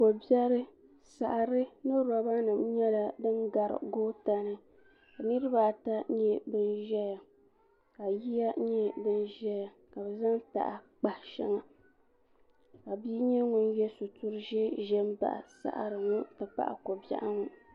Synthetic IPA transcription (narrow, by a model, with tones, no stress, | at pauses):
ko˨bjɛ˦ɾɨ˦ | sa˨ʔɾɨ˦nɨ˦ɾa˨ba˦nɨ˨m˦ɲɛ˦la˨dɨ˦nɡa˨ɾɨ̰˨ɡoː˦ta˦nɨ˦ | ka˨nɨ˦ɾɨ˦ba˦˨ta˦ɲɛ˦bɨ˦nʒɛ˦ja˨ | ka˨ji˦ja˦ɲɛ˦bɨ˦nʒɛ˦ja˨ | ka˨bɛ˨za˦ŋ˦ta̰˨ʔa˨ | k͡pa˨hʃɛ˦ŋa˨ | ka˨bi˦ɲɛ˦ŋʊ˦n˦jɛ˦sʊ˨tu˦ɾɨ˦ʒɛ˦ʒɛ˦mba̰˨ʔa̰˨sa̰˦ʔa̰˨ɾɨ˨ŋu˦tɨ˨pa̰˦ʔa̰˨ko˨ba̰˦ʔa˦ŋu˦